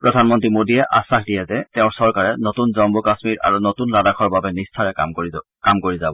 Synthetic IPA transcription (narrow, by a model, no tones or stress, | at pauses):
pɹɔdʱanmɔntɹimodijɛʔasaxdijɛzɛtɛʊ̃ɹsɔɹkaɹɛnotunzɔmbɔkasmiɹa̰ɹunotunladakʰɔɹbabɛnistʰaɹɛm | kamkoɹizabɔ